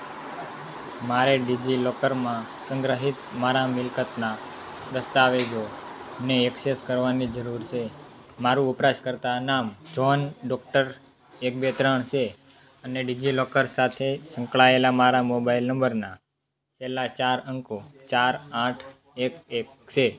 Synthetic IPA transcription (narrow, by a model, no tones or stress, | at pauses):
maɾeɖid͡ʒilɔkəɾmã | sə̃ŋɡɾəɦit̪maɾamɪlkət̪na | d̪əst̪aʋed͡ʒoneɛkseskəɾʋanid͡ʒəɾuɾt͡ʃʰemaɾuupɾaʃkəɾt̪anamd͡ʒɔnɖɔk̚ʈəɾ | ek̚bet̪ɾəɳ̃ʃe | əneɖid͡ʒilɔkəɾsat̪ʰesəŋkɭaelamaɾamobailnə̃mbəɾna | t͡ʃelːat͡ʃaɾəŋkot͡ʃaɾãʈʰ | ek̚ek | t͡ʃʰe